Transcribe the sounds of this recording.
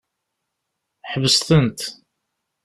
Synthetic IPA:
ħvəst̪ənt̪

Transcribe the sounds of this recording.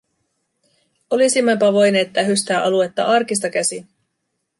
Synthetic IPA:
o̞lisimːɑmpɑʋo̞jne̞ːt̪ːæɦyst̪æːʔɑluet̪ːɑʔɑrkis̬t̪ɑk̟æsin

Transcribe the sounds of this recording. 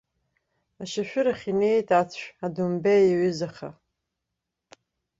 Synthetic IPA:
aʃaʃᶣʊɾaχʲine̞jtʼat͡sʷʰᶣadumbejɥʏzaχa̰

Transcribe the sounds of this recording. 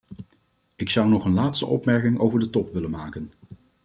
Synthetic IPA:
ɪksʌwnɔχənlaːtstə̰ʔɔ̰pmɛɹkɪŋo̰wvəɹdətɔpʋɪlənmaːkən

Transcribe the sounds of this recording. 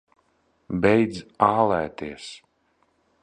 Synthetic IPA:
bɛjd̪zaːlˠæːt̪iɛs

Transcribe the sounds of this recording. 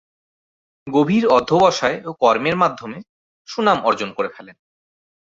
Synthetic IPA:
ɡobʱiɾɔd̪ʱːobɔʃaeokɔɾmeɾmad̪ʱːome | ʃunamɔɾd͡ʑonkoɾefʰɛlen

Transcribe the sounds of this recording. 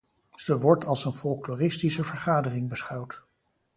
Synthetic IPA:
z̥əʋɔɹtɑlˠsənfɔlˠklɔːrɪstisəvəɹχaːdərɪŋbəsχɑwt

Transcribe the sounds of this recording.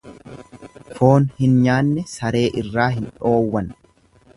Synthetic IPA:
fo̞ːnhɪnɲaːnːɛsɐɾe̞ːʔɪrːaːhɪnᶑo̞ːwːɐn

